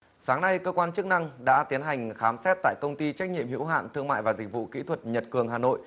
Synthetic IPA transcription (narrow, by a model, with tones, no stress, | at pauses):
saː˨˦ŋna˧jkəː˧kwaː˧nt͡ɕɨ˦˥k̚na˧ŋɗa̰ː˧˥t̪i˨˦ənɦa˨˩ŋ̟xaː˨˦msɛ˦˥t̚t̪a̰ː˧˨jkə˧wŋ͡mt̪i˧t͡ɕa˦˥k̟̚ɲḭ˧əmhḭ˧˥wɦa̰ː˧˨nt̪ʰɨ˧əŋma̰ː˧˨jvaː˨˩zi˨˩k̟̚vṵ˧˨kḭ˧˥t̪ʰwə˨˩t̚ɲə˨˩t̚kɨ˨˩əŋɦaː˨˩no̰˧˨j